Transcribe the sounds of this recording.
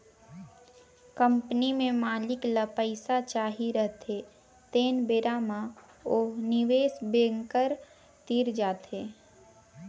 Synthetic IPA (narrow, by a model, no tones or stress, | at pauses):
kəmpnimẽmaːlɪkləpəɪsat͡ʃaːɦiɾəɦt̪ʰe | t̪eːnbeɾaːma | oːnɪʋeːsbeːŋkəɾ | t̪iːɾd͡ʒaːt̪eː